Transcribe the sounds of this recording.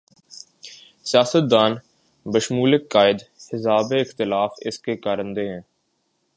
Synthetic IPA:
sɪjaːsət̪̚d̪aːn | bəʃmuːlɪkːaːɪd̪hɪsaːbeɪxt̪ɪlaːfɪ̰skekaːɾə̃nd̪eɦɛ̃ː

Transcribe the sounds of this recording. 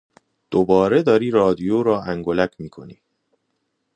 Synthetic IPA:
d̪̥obɒːɾe̞d̪ɒːɾiːɾɒːd̪ijoːɾɒːʔæŋɡolæcʰmiːkʰo̞̰niː

